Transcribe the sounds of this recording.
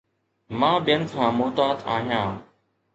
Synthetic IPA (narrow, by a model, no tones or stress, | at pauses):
mãːɓɪjənkʰãːmoːt̪aːt̪aːɦijãː